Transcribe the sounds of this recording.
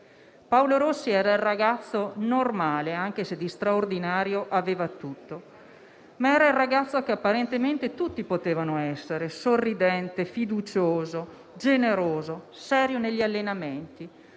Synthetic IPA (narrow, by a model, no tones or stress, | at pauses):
pawloɾosːiɛːɾailraɡat̪sːonormaːleaŋkesed̪ːist̪ɾaord̪inaːɾjoʔaveːvat̪ut̪ːo | maɛːɾailrːaɡat̪sːokeapːaɾent̪ement̪et̪ut̪ːipot̪eːvanoɛsːeɾesorːid̪ɛnt̪efid̪ut͡ʃoːzo | d͡ʒeneɾoːzo | sɛːɾjoneʎːialːenament̪i